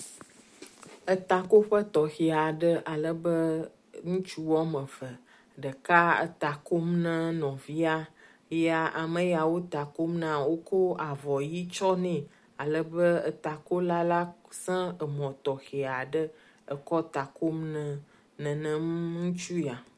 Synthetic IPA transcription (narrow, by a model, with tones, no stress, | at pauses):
ə˨t̪a˨ko˦ɸə˦t̪ɔ˨xi˨a˨ɖə˦ʔa˨lə˨bə˦ | ŋũ˦t͡ʃu˦wɔ˦mə̃˨və˨ | ɖə˨ka˦ə̰˨t̪a˨ko˦mnə̃˦nɔ̃˨vi˦a˦ | ja˨ʔa˨mə̃˦ja˨wo˦t̪a˨ko˦mnã˦wo˦ko˦a˨vɔ˨ji˦t͡ʃɔ˦nɛ̃˨ | a˨lə˨bə˦ə̰˨t̪a˨ko˦la˦la˦sɛ̃˦ə˨mɔ̃˨t̪ɔ˨xi˨a˨ɖə˦ | ə˨kɔ˦t̪a˨ko˦mnə̃˦ | nə̃˨nə̃˦m˦ŋũ˦t͡ʃu˦ja˨